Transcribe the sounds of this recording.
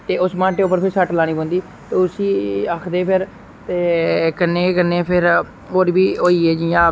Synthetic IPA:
t̪eːʊsmãːʈeːʊp̬ːəɾpʰɪɾsəʈlaːɽ̃iːbõːnd̪iː | t̪eːʊsiːakʰd̪eːpʰɪɾ | t̪eːkənːẽːkənːeːpʰɪɾ | oːɾbiːɦoːiːeːd͡ʒijãː

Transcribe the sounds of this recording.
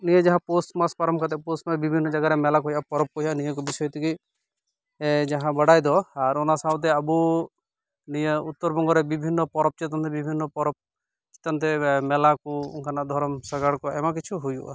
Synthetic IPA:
nijed͡ʒaɦãposʈmaspaɾɔmkʰat̪ɛposʈmabibʱinːɔd͡ʒaɡaɾɛmɛlakɔɦijapɔɾɔp̚kɔɦianijek̬ɔbisɔjɔt̪iki | d͡ʒaɦãbəɽajd̪ɔaɾɔnasat̪̬ɛabu | nijeut̪ːɔɾbɔŋɡɔɾɛbibʱinːɔpɔɾɔp̚t͡ʃit̪ant̪ɛbibʱinːɔpɔɾɔp̚ | t͡ʃi̥t̪ant̪ɛmɛlakuṵŋkʰanaʔd̪ʱɔɾɔmsaɡaɽkɔɛmakit͡ʃʰuɦujṵʔa

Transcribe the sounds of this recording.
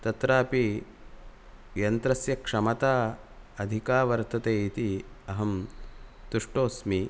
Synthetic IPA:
t̪ɐt̪ɾaːpi | jɐnt̪ɾɐsjɐkʂɐmɐt̪aːɐd̪ʱikaːʋɐɾt̪ɐt̪eːit̪iɐɦɐm | t̪uʂʈoːsmi

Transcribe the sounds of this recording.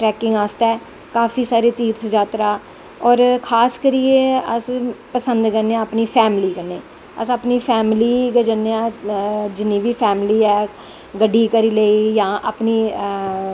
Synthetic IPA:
ʈɾɛːkɪ̃ŋɡaːst̪ɛː | kaːfʰiːsaːɾeːt̪iːɾtʰd͡ʒaːt̪ɾaː | ɔːɾkʰaːskəɾieəspəsənd̪kəɾneãːəpniːpʰɛːmɪliːkəɾneː | ə̰saːpniːpʰɛːmliːɡəd͡ʒənːeãːd͡ʒɪnːĩːʋiːpʰɛːmliːɛː | ɡəɖːiːkəɾiːleiːjãːʔa̰ːpniː

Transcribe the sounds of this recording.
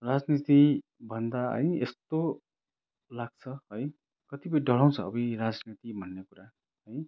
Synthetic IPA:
rad͡znit̪i | bʱʌnd̪aɦʌ̰jḛst̪o | laɡ̚t͡sʰʌɦʌj | kʌt̪ipʌj̃ɖʱʌɭ̤aw̃t͡sʰʌ̰ːbʌjrad͡znit̪ibʱʌnːekuɾa | ɦʌj

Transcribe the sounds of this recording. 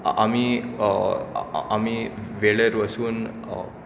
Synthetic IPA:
ami | amiʋeɭeɾʋəsuːn

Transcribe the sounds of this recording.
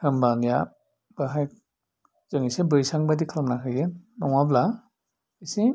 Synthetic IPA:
hɯmbanja | b̥aɦajk̚ | z̥ɯŋisebɯjsaŋbadikʰamnakʰɯjɯnːɔŋabla | isi

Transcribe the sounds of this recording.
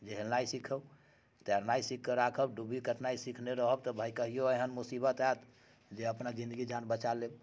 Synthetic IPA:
d͡ʒeɦelnajsikʰəb | t̪ɛɾnaisikʰːəɾakʰəbɖubʱikəʈnaisikʰneɾəɦəbt̪ɔbʱajkəɦijoeɦənmusibət̪at̪ | d͡ʒeəpnad͡ʒĩnd̪əɡid͡ʒanbət͡ʃaleb

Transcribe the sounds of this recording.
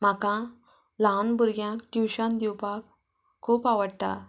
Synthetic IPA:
m̤akã | lãnbəɾɡjãkiwɕãnd̪iwpak | kʰːuːpaʋəɽt̪a̰

